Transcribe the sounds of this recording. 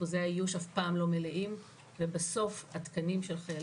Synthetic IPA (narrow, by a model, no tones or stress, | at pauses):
ozeaijuʃafpaːmlo̞meleʔim | vebaso̞fhat̪kanimʃelχajal